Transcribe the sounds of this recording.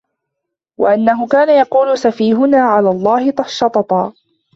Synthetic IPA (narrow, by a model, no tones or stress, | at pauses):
wa̰ʔanːaɦʊkaːnajɑquːlʊsafiːɦʊnaːʕalaːlˤːɑːhɪt̪ˤɑʃːɑt̪ˤɑt̪ˤɑː